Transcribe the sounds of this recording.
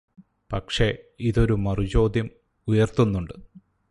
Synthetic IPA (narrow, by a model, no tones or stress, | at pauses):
pɐkʂe̞iðo̞ɾumɐrut͡ɕo̞ːd̪ʱjɐm | ujɐrt̪unːuɳɖɨ